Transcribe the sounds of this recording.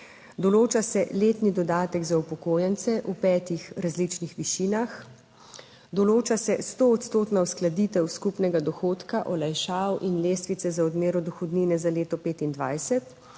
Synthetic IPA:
d̪ɔloːt͡ʃasɛleːt̪nid̪ɔd̪aːt̪ɛɡzaupɔkoːjɛnt̪sɛʔupɛːt̪ixɾazlit͡ʃnixʋiʃiːnax | d̪ɔloːt͡ʃasɛst̪oːt̪st̪oːt̪nawsklad̪iːt̪ɛwskupnɛɡad̪ɔxoːt̪kaʔɔlajʃaːwʔinleːst̪ʋit̪sɛzaɔd̪meːɾɔd̪ɔxɔd̪niːnɛzaleːt̪ɔpeːt̪ind̪ʋaːjsɛt̪

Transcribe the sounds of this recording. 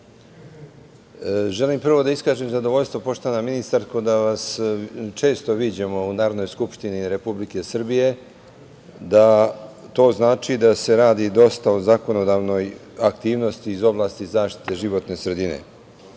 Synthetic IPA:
ʒe̞limpr̩ʋo̞d̪aiskaːʒemzad̪o̞ʋo̞ʎst̪ʋo̞po̞ʃt̪oʋanaminist̪aɾkod̪aʋast͡ʃe̞ːst̪o̞ʋiːd͡ʑe̞mo̞unaːɾod̪no̞jskupʃt̪iniɾe̞publike̞sr̩bije̞ | d̪at̪o̞ːznaːt͡ʃid̪ase̞ɾaːd̪id̪o̞st̪aozako̞no̞d̪aːʋno̞j | akt̪iːʋno̞st̪iːzo̞blˠaːst̪izaːʃt̪i̥t̪e̞ʒiʋo̞t̪ne̞sɾe̞d̪ine̞̰

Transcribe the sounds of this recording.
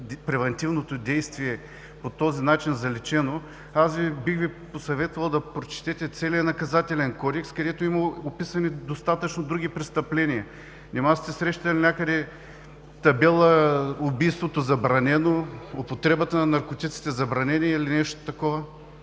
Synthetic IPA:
pɾɛvɐnt̪ivnot̪od̪ɛjst̪viɛ | pot̪ɔzinat͡ʃinzɐlɛt͡ʃɛno | asvibixviposɐvɛt̪vɐlˠd̪ɐpɾot͡ʃɛ̥t̪ɛt̪ɛt̪sɛliənɐkɐzat̪ɛlɛnkɔd̪ɛkskɐd̪ɛt̪oimɐopisɐnid̪ost̪at̪ət͡ʃnod̪ɾuɡ̟ipɾɛst̪ɐplɛniɐ | nʲɛmast̪ɛsɾɛʃt̪t̪ɐlinʲakəd̪ɛ | t̪ɐbɛlˠəʊbijst̪vot̪ozɐbɾɐnɛnoʊpot̪ɾɛbət̪ənɐnɐɾkot̪ʲit̪si̥t̪ɛzɐbɾɐnʲɛniilinɛʃt̪o̥t̪ɐkɔvə

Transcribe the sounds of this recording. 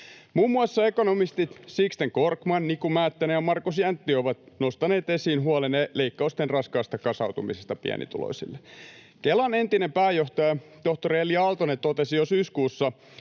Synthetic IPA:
muːmːuɑsːɑekonomist̪it̪sikst̪eŋkorkmɑnnikumæːt̪ːænejɑmɑrkusjænt̪ːioʋɑt̪nost̪ɑneːt̪esiːnɦuɑleneleikːɑust̪enrɑskɑːst̪ɑkɑsɑwt̪umḭsest̪ɑpḭæ̰nḭt̪ulo̰isḭlːe̥kelːɑnent̪inempæːjoht̪ɑjɑt̪oht̪oɾieliɑlt̪onet̪ot̪esijosyːskuːsːɑ

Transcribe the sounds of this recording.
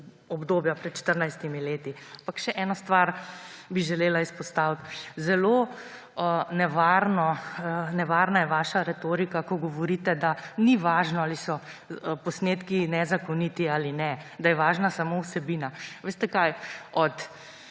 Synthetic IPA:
ɔbd̪oːbjapɾɛt̪t͡ʃt̪əɾnajst̪imileːt̪iampakʃɛʔɛːnɔst̪ʋaɾbiʒɛleːlaispɔst̪awt̪zɛlo | nɛʋaɾnɔnɛʋaːɾnajɛʋaːʃaɾɛt̪oːɾikakɔɡɔʋɔɾit̪ɛd̪aniʋaːʒnɔaːlisɔ | pɔsneːt̪kinɛzakɔnit̪iaːlinɛd̪ajɛʋaːʒnasamowsɛbiːnaʋeːst̪ɛkajɔt̪

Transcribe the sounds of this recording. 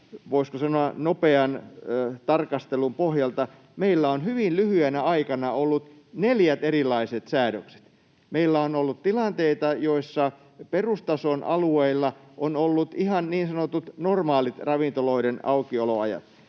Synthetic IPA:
ʋoiskosɑnoɑnopeɑnt̪ɑrkɑst̪elumpohjɑlt̪ɑ | meilːæonhyʋinlyhyenæɑikɑnɑolːut̪ | neljæt̪erilˑɑiset̪sæːɾøkse̥t̪ | meilːæonolːut̪t̪ilɑnt̪eit̪ɑjoisːɑ | perust̪ɑsonʔɑ̰lueilːɑ | ʔonolːut̪ihɑnniːnsɑnot̪ut̪normɑːlit̪rɑʋint̪oloidenɑukioloɑ̰jɑ̰t̪

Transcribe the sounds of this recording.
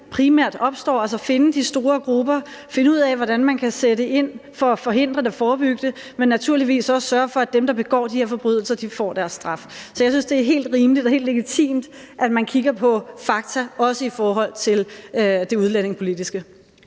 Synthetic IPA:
pʰʁimæɐ̰d̥ɒ̽b̥sd̥ɒ̰ːæls̬ɐfe̝nəd̥isd̥o̝ːɐɡ̥ʁub̥ɐfe̝nəuð̰ˠɛʋɒɾænmænkʰæsedeʔe̝n̰fɒ̽æfɒ̽ɦe̝n̰d̥ʁɐd̥efɒːb̥yɡ̥əd̥ə | menːæt͡sʰuɐ̰liʋḭːsɒ̽ssɶɐfɒ̽æd̥emd̥ɑ̈b̥e̝ɡ̥ɒ̰ːd̥iheɐfɒ̽b̥ʁyð̰ˠl̩sɐd̥ifɒ̰ːd̥æɐsːd̥ʁɑ̈fsɒjɑ̈ɪsynsd̥e̝æɐɦe̝̰ːld̥ʁiːməlid̥ɒhe̝̰ːld̥le̝ɡ̥it͡sʰḭːmd̥ʔæd̥mænkʰiɡ̥ɐpʰɒ̽fɑ̈ɡ̥̚t͡sʰæɒ̽səifɒːɦɒ̽l̰t͡sʰe̝lød̥e̝uð̞ˠlæn̰e̝ŋpʰo̝lid̥isɡ̥ə

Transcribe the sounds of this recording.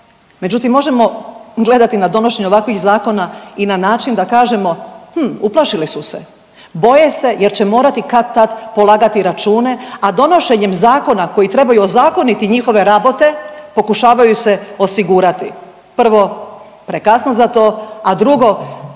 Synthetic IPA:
me̞d͡ʑut̪imːo̞ʒe̞mo̞ɡle̞d̪at̪inad̪o̞no̞ʃe̞ɲuoʋakʋixzaːko̞nainanaːt͡ʃind̪akaːʒe̞mo̞hm̩uplˠaʃilisuse̞̰ | bo̞je̞se̞je̞ɾt͡ɕe̞mo̞ːɾat̪ikat̪t̪ːat̪po̞lˠaːɡat̪iɾat͡ʃuːne̞ad̪o̞no̞ʃe̞ɲe̞mzaːko̞nako̞jit̪ɾe̞bajuozaːko̞nit̪iɲixo̞ʋe̞ɾabo̞t̪e̞po̞kuʃaːʋajuse̞o̞siɡuːɾat̪i | pr̩ʋo̞ | pɾekasno̞zat̪o̞ːad̪ɾuɡo̞

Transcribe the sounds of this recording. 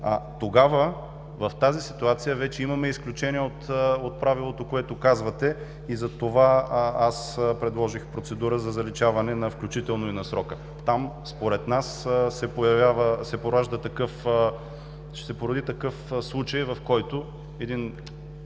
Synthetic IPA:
ɐt̪oɡavə | vɐft̪azisi̥t̪uat̪sijəvɛt͡ʃɛimɐmɛisklʲut͡ʃɛniɛot̪ot̪̚pɾavilˠot̪okoɛt̪okazvɐt̪ɛ | izɐt̪ovaaspɾɛd̪lˠɔʒixpɾot̪sɛd̪uɾəzɐzɐlit͡ʃavɐnɛnɐfklʲut͡ʃit̪ɛlˠnoinɐsɾɔkə | t̪am | spoɾɛt̪nassɛpojɐvʲjavəsɛpoɾaʒd̪ət̪ɐkɤf | ʃɛsɛpoɾɐd̪it̪ɐkɤfslˠut͡ʃɐjvɐfkɔjt̪o | ɛd̪in

